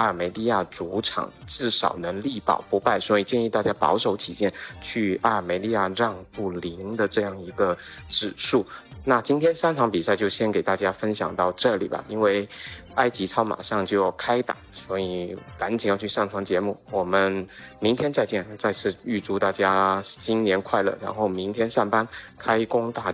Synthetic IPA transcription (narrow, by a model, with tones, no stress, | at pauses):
a˥ə˞˨˩me˧˥ɪli˥˧ja˥˩t͡su˧˥ʈ͡ʂʰɑ̰˨˩˦ŋʈ͡ʂɻ̩˥˩ʂɑ˨˩ʊnɤ˧˥ŋli˥˩pɑ̰˨˩ʊpu˧˥pa˥˩ɪswɔ˧˥i˨˩t͡ɕjɛ˥˧ni˥˧t̪a˥˩t͡ɕja˥pɑ̰˧˥ʊʂo˧˥ʊt̪ʰi˨˩t͡ɕjɛ˥˩nt͡ɕʰy˥˩a˥ə˞˨˩me˧˥ɪli˥˧ja˥˧ɻɑ˥˧ŋpu˥˩li˧˥ŋd̪ə˨ʈ͡ʂɤ˥˧jɑ˥˩ŋi˧˥ɡə˧ | ʈ͡ʂɻ̩˨˩ʂu˥˩na˥˩t͡ɕi˥nt̪ʰjɛ˥nsa˥nʈ͡ʂʰɑ˧˥ŋpi˨˩sa˥˧ɪt͡ɕjo˥˩ʊɕjɛ˥nke˨˩ɪt̪a˥˩t͡ɕja˥fə˥nɕjɑ̰˨˩ŋt̪ɑ˥˧ʊʈ͡ʂɤ˥˩lḭ˨˩bɐ̰˨˩ʔi˥nwe˥˩ɪ | a˥ɪt͡ɕi˧˥t͡sʰɑ˥ʊma̰˨˩ʂɑ˥˧ŋt͡ɕjo˥˧ʊjʊkʰa˥ɪt̪a̰˨˩˦ŋswɔ˧˥i˨˦ka˧˥nt͡ɕi˨˩ŋjɑ˥˧ʊt͡ɕʰy˥˧ʂɑ˥˩ŋʈ͡ʂʰwɑ˧˥ŋt͡ɕjɛ˧˥mu˥˩wɔ˨˩mə˧nmi˧˥ŋt̪ʰjɛ˥nt͡sa˥˧ɪt͡ɕjɛ˥˩nt͡sa˥˧ɪt͡sʰɹ̩˥˧y˥˧ʈ͡ʂu˥˧t̪a˥˩t͡ɕja˥ɕi˥nnjɛ˧˥nkʰwa˥˧ɪlə̰˨˩ɻa̰˧˥nxo˥˩ʊmi˧˥ŋt̪ʰjɛ˥nʂa˥˩npa˥nkʰa˥ɪkʊ˥ŋt̪a˥˩